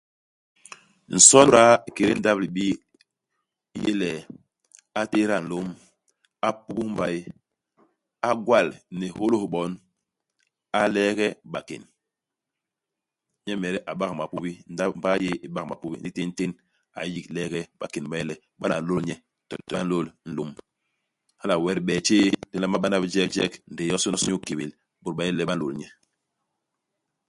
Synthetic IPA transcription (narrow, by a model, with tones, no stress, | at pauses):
n̩˨sɔ˦n˦ɾa˦˨ke˨ɾḛ˦n̩˦da˦bli˨ɓi˦ | jḛ˦lɛ˨ | a˦te˦ɾa˦˨n̩˨lo˦m | a˦pu˦ku˦m˦ba˨˦j | a˦ɡwa˦˨lnɛ˨ho˦lo˦hɓɔ˨˦n | a˦lɛː˦ɡɛ˦ɓa˨kḛ˨n | ɲɛ˦mɛ˨ɾɛ˦ʔa˨ɓa˦kma˨pu˦bi˦n˦da˦m˦ba˦je˦i˨ɓa˦kma̰˨pu˦bḭ˦n˦di˦te˦n˦te˦n | a̰˨˦ji˦klɛ˦ɡɛ˦ɓa˨ke˨nba˦je˦lɛ˨ | ɓa˦a̰˨lo˦lɲɛ˦ | tɔ˨tɔ˨a˦n̩˦lo˦˨ln̩˨lu˨m | ha˦la˨wɛ˦ɾɓɛː˨t͡ʃe˦di˦la˦ma˦ɓa˦na˦bd͡ʒɛ˦bd͡ʒɛ˦kn̩˨de˨jɔ˦su˦nɔ˦sɲu˦˨ke˨be˨l | ɓu˨ɾɓa˨je˦˨lɛ˦ɓa˦lo˨lɲɛ˦